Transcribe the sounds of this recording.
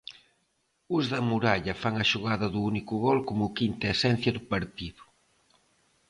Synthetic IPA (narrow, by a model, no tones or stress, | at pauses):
uzðɐmuɾaʎɐfaŋɐʃuɣaðɐðuunikʊɣɔlkomʊkint̪ɐesɛn̟θjɐðʊpɐɾt̪iðʊ̥